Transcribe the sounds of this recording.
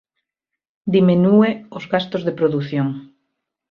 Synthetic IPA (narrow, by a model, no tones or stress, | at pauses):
d̪iminueozɣast̪ozðepɾoðuθjoŋ